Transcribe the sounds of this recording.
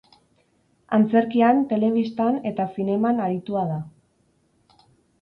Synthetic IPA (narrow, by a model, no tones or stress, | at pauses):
ant͡se̞ɾkiant̪e̞le̞β̞ist̪ane̞t̪asine̞manaɾit̪uað̞a